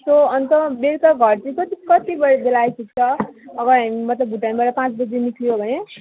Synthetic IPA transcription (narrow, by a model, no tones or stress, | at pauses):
soʌnt̪ʌbeɾt̪ʌɡʱʌrt͡sĩkʌt̪ikʌt̪ibʌɾebelajsʰikt͡sʰʌʌɡʌɾamimʌt̪ʌbʱuʈanbʌɾʌpãt͡sbʌd͡zemikʰlijobʱʌne